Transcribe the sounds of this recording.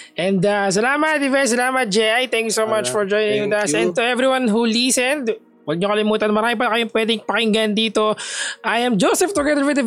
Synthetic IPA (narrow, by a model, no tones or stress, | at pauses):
ʔɛnd̪as̬ɐlaːmɐt̪̚d̪ɪvɛjs̬ɐlaːmɐt̪̚d͡ʒɛjʔajt̪ɛ̃ŋkjusomɐt͡ʃfɔɹd͡ʒojnɪ̃d̪ɐsɛ̃n̚t̪uʔɛvɾiwanɦuliːsɛnd̪ | wɐɡ̚ɲokɐlɪmuːt̪ɐnmɐɾaːmɪpɐlɐkɐjoŋpwɛd̪ɪŋpɐkɪŋɡand̪iːt̪o̞ʔɐjɐmd͡ʒosɛft̪ʊɡɛðəɹwɪd̪ɐ